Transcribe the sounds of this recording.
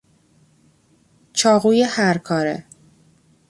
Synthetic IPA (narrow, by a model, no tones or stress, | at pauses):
t͡ʃʰɒːɣuːjehæɾkʰɒːɾḛ